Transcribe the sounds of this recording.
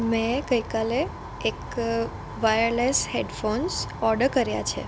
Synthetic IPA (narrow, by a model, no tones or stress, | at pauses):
mẽɡəjkaleː | k | ʋajəɾlesheɖfonsɔɾɖəɾkəɾja̰t͡ʃʰḛ